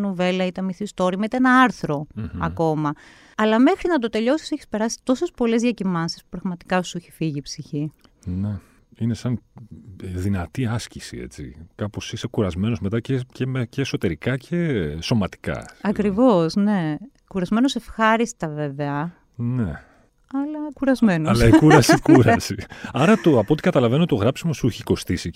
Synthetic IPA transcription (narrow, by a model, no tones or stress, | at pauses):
nuve̞lɐit̪ɐmiθist̪o̞ɾimɐit̪ɐenɐɐɾθɾo̞ɐko̞mɐ | ɐlɐme̞xɾinɐt̪ot̪e̞ʎo̞si̥seçispe̞ɾɐsi̥t̪o̞sespo̞le̞zðʝɐcimɐnsispu̥pɾɐɣmɐt̪i̥kɐoseçifiʝiːpsiçi | ne | ine̞sɐn | ðinɐt̪iɐscisḭe̞̰t͡sḭkɐpo̞sise̞kuɾɐzme̞no̞zme̞t̪ɐcecemeceːso̞t̪e̞ɾikɐcʰe̞so̞mɐt̪i̥kɐ̰ɐkɾivo̞sne | kuɾɐzme̞nose̞fxɐɾist̪ɐve̞ve̞ɐ | ne | ɐlɐkuɾɐzme̞noɐlɐikuɾɐsikuɾɐsiɐɾɐt̪oɐpot̪ikɐt̪ɐlɐve̞not̪oɣɾɐpsimo̞suçiko̞st̪isi